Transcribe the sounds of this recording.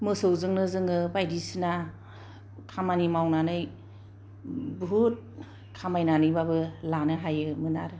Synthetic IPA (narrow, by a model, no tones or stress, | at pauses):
mɯsɯwzɯŋnɯzɯŋɯbajdisina | kʰamanimawnanɯj | buɦut̚ | kʰamajnanɯjbabɯlanɯɦajɯmɯnaɾɯ